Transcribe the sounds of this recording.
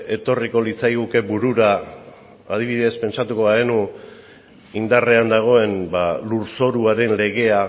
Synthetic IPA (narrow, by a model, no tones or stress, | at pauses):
e̞t̪o̞riko̞lit͡sajɣuke̞buɾuɾaː | ð̞iβiðe̞spe̞nsat̪uko̞βaðenu | ind̪are̞and̪aɣ̞o̞e̞nbaluɾso̞ɾuaɾe̞nle̞ɣ̞e̞a